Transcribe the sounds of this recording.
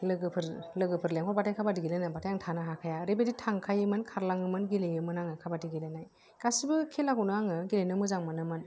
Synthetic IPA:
lɯɡɯpʰɯɾlɯɡɯpʰɯɾleŋkʰɔɾbatʰajkʰabadiɡilɯnajbatʰajaŋtʰanaɦakʰajaɾebeditʰaŋkʰajɯmɯnkʰaɾlaŋɯmɯnɡilejɯmɯnaŋɯkʰabadiɡilenaj | kasibɯkʰelakunɯaŋɯɡilenɯmɯzaŋmɯnɯmɯn

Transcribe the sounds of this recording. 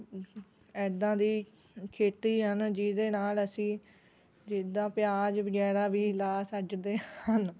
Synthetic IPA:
ɛːd̪ãːd̪iː | kʰeːt̪iːɦənd͡ʒid̪eːnaːləsĩː | d͡ʒɪd̪ãːpɪjaːd͡ʒʋəɡɛːɾaːbiːlaːsəd͡ʒd̪eːhən

